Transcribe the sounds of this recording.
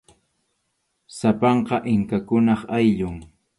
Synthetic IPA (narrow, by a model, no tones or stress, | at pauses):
sapɑɴqɑʔɪŋkakʊnɑχajʎʊŋ